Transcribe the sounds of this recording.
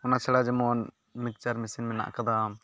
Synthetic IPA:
ɔnat͡ʃʰɛɽad͡ʒɛmɔn | mik̚t͡ʃaɾmisinmɛna̰ʔkad̪a

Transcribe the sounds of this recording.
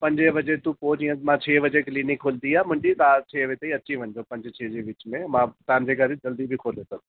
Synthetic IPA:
pɐ̃ɲd͡ʒebɐd͡ʒet̪ũpoːd͡ʒiːə̃mãːt͡ʃʰeːʋəd͡ʒekliːnɪkʰːoːld̪iaːmʊ̃ɲd͡ʒit̪aːt͡ʃʰeːʋet̪ɐiɐtːʃʰiʋɐ̃ɲd͡ʒopɐ̃ɲd͡ʒt͡ʃʰeːd͡ʒeːʋɪt͡ʃmẽmãːt̪ãːnd͡ʒeɡɐɾid͡ʒɐld̪ibʱikʰoːlesɐɡ̚d̪

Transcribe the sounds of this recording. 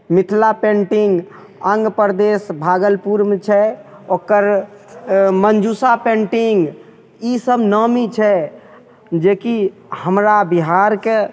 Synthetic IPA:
mit̪ʰlapẽɳʈiŋɡ | əŋɡpəɾd̪esbʱaɡəlpuɾmt͡ʃʰɛokəɾ | mənd͡ʒusapẽɳʈiŋɡ | isəbnəmit͡ʃʰɛ | d͡ʒekihəmɾabiɦaɾke

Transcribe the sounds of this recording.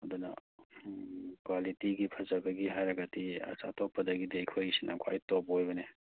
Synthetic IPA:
ɐdunɐ̰ | kwalitiɡipʰɐzɐbɐɡiɦajɾɐɡɐtiɐ̰sa̰topːɐdɐɡidejkʰojsinʔɐ̰kʰwa̰jtobojbɐne

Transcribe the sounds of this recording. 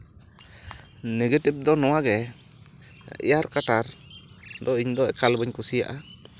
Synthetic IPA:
neɡetep̚d̪ɔnɔwaɡɛ | ḭjaɾkaʈaɾ | d̪ɔiɲd̪ɔɛkalbəɲkusijaʔa

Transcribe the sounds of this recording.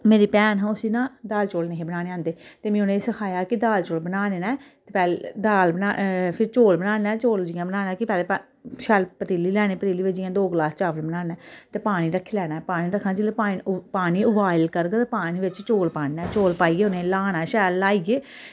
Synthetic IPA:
meːɾiːpɛːnɦãːʊsiːnãːd̪aːlt͡ʃoːlneɦẽːbənaːneːãːnd̪eːt̪eːmĩːʊnẽːsəkʰaːjaːkɪd̪aːlt͡ʃoːlbənaːneːnɛːt̪eːpɛːld̪aːlbənaːpʰɪɾt͡ʃoːlbənaːɛːt͡ʃoːld͡ʒɪjãːbənaːnaːkɪpɛːleː | ʃɛːlpət̪iːliːlɛːneːpət̪iːliːʋed͡ʒɪjãːd̪oːɡlaːst͡ʃaːʋəlbənaːnɛːt̪eːpaːñiːɾəkʰːeːlɛːnaːɛpaːñiːɾəkʰːnãːd͡ʒɪlepaːpaːniːʊʋaːɪlkəɾɡat̪ːpaːniːʋɪt͡ʃt͡ʃoːlpaːnnɛːt͡ʃoːlpaːiːeːʊnẽːlaːnaːʃɛːlːaːiːɡeː

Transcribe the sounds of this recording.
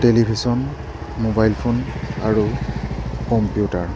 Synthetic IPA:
telibʱisɔn | mobajlpʰonaɹu | kɔmpijutaɹ

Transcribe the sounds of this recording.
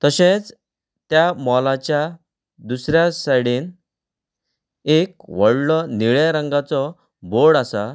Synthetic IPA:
t̪əɕẽt͡s | t̪jamɔlat͡ɕja | d̪usɾjasaɽiːn | ekʋəɽlɔniɭjaɾəŋɡat͡sɔ | boɽasa

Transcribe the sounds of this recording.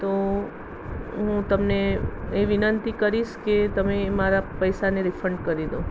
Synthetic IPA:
t̪o | ɦũt̪əmneeʋinənt̪ikəɾiʃket̪əmemaɾapəjsaneɾifʰɾəɳɖkəɾid̪o

